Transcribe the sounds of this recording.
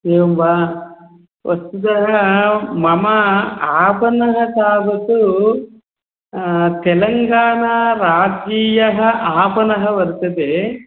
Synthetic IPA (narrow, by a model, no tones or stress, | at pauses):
eːmbaː | ʋʔɐst̪ud̪ɐɦɐmɐmɐaːpɐnɐɦɐsaːbɐt̪u | t̪ɛlɐŋɡaːɳaɾaːd͡ʒiːjɐɦɐʔaːpɐnɐɦɐʋɐɾt̪ɐd̪e